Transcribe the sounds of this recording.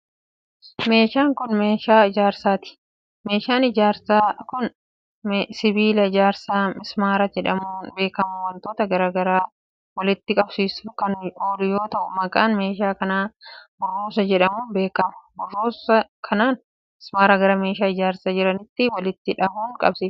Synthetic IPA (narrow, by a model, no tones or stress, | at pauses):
me̞ːʃaːŋkʊnmeːʃaːɪd͡ʒaːɾsaːt̪ɪ̥ | me̞ːʃaːnɪd͡ʒaːɾsaːkʊn | sɪbiːlɐɪd͡ʒaːɾsaːmɪsmaːɾɐd͡ʒɛᶑɐmuːnbe̞ːkɐmʊwɐnt̪oːt̪ɐɡɐɾaːɡɐɾaː | wɐlɪt̪ːɪkʼɐbsiːsʊkɐnoːlʊjo̞ːt̪ɐʔʊmɐkʼaːnme̞ːʃaːkɐnaːbʊrːoːsɐd͡ʒɛᶑɐmuːnbe̞ːkɐmʊ̥bʊrːoːsɐkʰɐnaːn | mɪsmaːɾɐɡɐɾɐme̞ːʃaːɪd͡ʒaːɾsaːd͡ʒɪɾɐnɪt̪ːɪwɐlɪt̪ːɪᶑɐmuːŋkʼɐ̰bsiːf